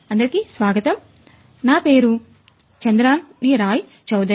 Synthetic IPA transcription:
ɐnd̪ɐɾikisʋaːɡɐt̪ɐm | naːpeːɾu | t͡ʃɐnd̪ɾaːnniːɾaːji | t͡ʃɐwd̪ɐ

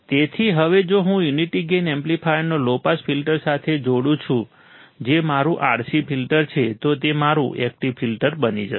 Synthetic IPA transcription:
t̪et̪ʰiɦəʋed͡ʒoɦũjuniʈiɡenɛmplipʰajnolopasfʰilʈəɾsat̪ʰed͡ʒoɽũt͡ʃʰũ | d͡ʒemaɾũʔa̰ɾʃipʰilʈəɾt͡ʃʰet̪ot̪emaɾṵ̃ʔɛk̚ʈiʋfilʈəɾbənid͡ʒə̰

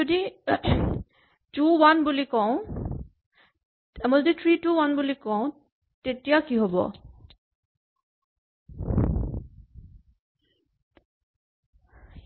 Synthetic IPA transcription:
odi | tuwanbulikɔ̃ | ɛmɔlditʰɹituwanbulikɔʊ̃ | tetijakiɦɔbɔ̰

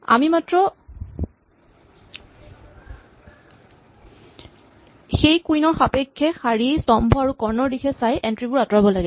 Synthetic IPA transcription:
a̰mimatɹɔ | xejkujnɔɹxapekʰːɛxaɹisɔmbʱɔaɹukɔɹnɔɹdixʰɛsajʔɛntɹibʊɹatɔɹabɔlaɡɛ

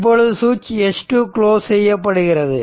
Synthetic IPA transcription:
p̬ːoɻɯðɯsuːt͡ʃːɛʂʈɯkɭoːsɛjːɐpːɐɽɯɣɪrɐðɯ

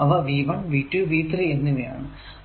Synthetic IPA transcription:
ɐʋɐʋiːʋɐɳʋiːʈːɨʋiːt̪rienːiʋɐja̰ːɳɨ

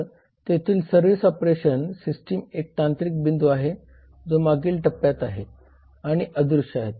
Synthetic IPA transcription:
t̪et̪ʰiːlsəɾʋisɔpɾeɕənsisʈiːmek̚t̪ãnt̪ɾik̚bind̪uaɦe | d͡zomaɡiːlʈəpːjat̪aɦe | aɽ̃iʔəd̪ɾuʂaɦet̪

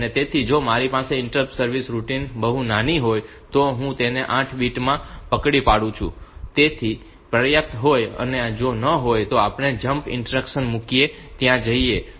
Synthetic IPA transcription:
ənet̪et̪ʰid͡ʒomaɾipaseɪɳʈəpsəɾʋisɾuʈinbəɦunaniɦoj | t̪oɦũt̪eneʔãʈʰbiʈmãpəkɽipaɽũt͡ʃʰṵ̃t̪et̪ʰi | pɾəjəp̚t̪ɦojə̰ned͡ʒonəɦojt̪oapɳ̃ed͡ʒəmpɪ̰̃ɳʈəɾəkʃənmukiet̪jãd͡ʒəie

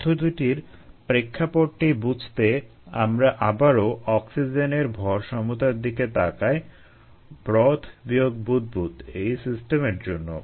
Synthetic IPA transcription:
t̪ʰod̪uʈiɾ | pɾekʰːapoʈʈibud͡ʑʱt̪e | a̰mɾaʔabaɾoʔɔksid͡ʑeneɾbʱɔɾʃɔmut̪aɾd̪iket̪akae | bɾɔt̪ʰbioɡ̚bud̪̚but̪ejsisʈemeɾd͡ʑonːo̰

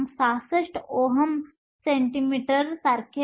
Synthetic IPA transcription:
msasəʂʈoɦəm | seɳʈimiʈəɾsaɾkʰe

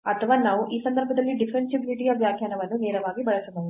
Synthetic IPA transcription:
ɐt̪ʰɐʋaːnaːʋuʔiːsɐnd̪ɐɾbʱɐd̪ɐlːiɖifʰɾensibɾiʈijɐʋjaːkʰjaːnɐʋɐnːunɛːɾɐʋaːɡibɐɭɐsɐnɐʋ

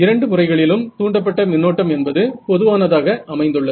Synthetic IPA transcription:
ɪɾɐɳɖɯmʊrɐɪɣɐɭɪlɯmtt̪uːɳɖɐp̬ːɐʈːɐmɪnːoːʈːɐmɛnbɐðɯpɔðɯʋaːnɐðaːɣɐʔɐmɐɪnd̪ɯɭːɐð

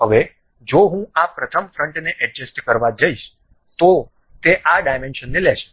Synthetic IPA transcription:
ɦəʋe | d͡ʒoɦũapɾət̪ʰəmfɾəɳʈneʔɛd͡ʒəsʈkəɾʋad͡ʒəiʃ | t̪o | t̪eʔaɖajmenʃənːeleʃ

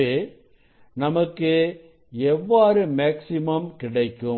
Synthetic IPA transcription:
eː | nɐmɐkːɯ | ɛʋːaːɾɯmeːksɪmɐmkɪɽɐɪkːɯ

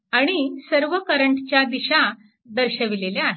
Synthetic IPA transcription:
aɽ̃isəɾʋəkəɾəɳʈt͡ɕjad̪iɕa | d̪əɾɕəʋileleaɦe

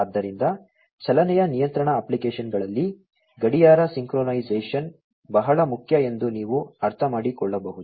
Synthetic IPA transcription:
ɐd̪ːɐɾind̪ɐ | t͡ʃɐlɐnɛjɐnijɐnt̪ɾɐɳɐːplikeːʃɐnɡɐɭɐlːi | ɡɐɽijaːɾɐsiŋkɾoːnɐjd͡ʒeːʂɐn | bɐɦɐɭɐmukʰjɐe̞nd̪uniːʋuɐɾt̪ʰɐmaːɽikɔɭːɐbɐɦud̪u

